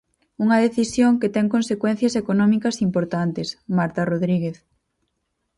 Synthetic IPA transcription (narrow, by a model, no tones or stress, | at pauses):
uŋɐðeθisjoŋket̪ɛŋkõnsekwɛ̃n̟θjɐsekonɔmikɐsimpoɾt̪ant̪ɪsmaɾt̪aroðɾiɣeθ